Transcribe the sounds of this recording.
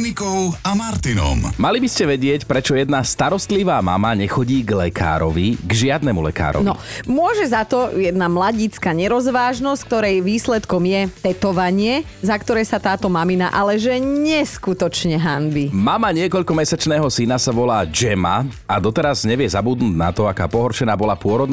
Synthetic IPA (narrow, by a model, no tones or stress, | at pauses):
nikɔʊamaɾt̪inɔ̰mmalibiscɛʋɛɟɪɛcpɾɛt͡ʃɔjɛd̪nast̪aɾɔst̪liʋaːma̰maɲɛxɔɟiːɡlɛkʰa̰ːɾɔʋiɡʒɪad̪nɛmulɛ̰ka̰ːɾɔ̰niɔ̰mʊɔʒɛzat̪ɔjɛd̪namlaɟit͡skaɲɛɾɔzʋaːʒnɔsck̚t̪ɔɾɛjʋiːslɛt̪kɔmjɛt̪ɛt̪ɔʋaɲɪɛ | zakt̪ɔɾɛːsat̪aːt̪ɔmamina̰ʔalɛʒɛɲɛskut̪ɔt͡ʃɲɛɦanbimamaɲɪɛkɔʎkɔmɛsat͡ʃnɛːɦɔsinasaʋɔlaːd͡ʒɛma̰ | ad̪ɔt̪ɛɾazɲɛʋɪɛzabud̪nuːɟna̰t̪ɔaka̰ːpɔɦɔɾʃɛnaːbɔlapʊɔɾɔd̪n